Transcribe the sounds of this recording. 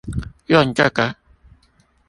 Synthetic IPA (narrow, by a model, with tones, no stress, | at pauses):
jɔ˦˨n˨t͡ʃa˦˨ka˦